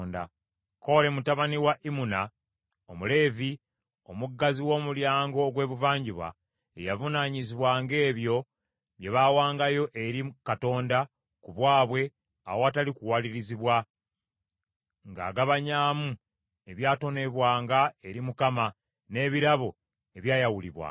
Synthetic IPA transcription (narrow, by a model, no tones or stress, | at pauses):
nda̰ | ko̞ɾe̞mutaβaniwaʔimuna | omule̞ːvi | o̞muɡːaziwo̞ːmuljaːŋɡo̞ːɡwe̞ːβuvaːɲɟiβwa̰ | ḛjavunaɲiziβwaŋɡe̞ːβjo̞ | βje̞βaːwaːŋɡajo̞ʔe̞ɾikato̞ːnda | kuβwaːβwe̞ | a̰woatalikuwaliɾiziβwa | ŋɡa̰ːɡaβaɲaːmu | e̞βjaːto̞ne̞βwaːŋɡaeɾimukama | ne̞ːβiɾaβo̞ | e̞βjaːjawulḭβwa̰